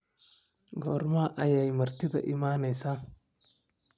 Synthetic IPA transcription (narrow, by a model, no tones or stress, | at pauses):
ɡɔːrmaʔɐjɛjmɐrt̪ʰɪðɐ̰ʔɪmaːnɛjsaː